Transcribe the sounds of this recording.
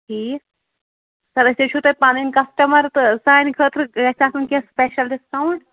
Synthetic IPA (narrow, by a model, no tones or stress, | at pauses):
ʈʰiː | sɐɾɐsʲt̪et͡ʃʰut̪ɐpaːninkɐsʈɐmɐɾt̪ɨsaːjnkʰəːt̪ɾɡɐsaːsunkespeʃɐlɖɪskawɳɖ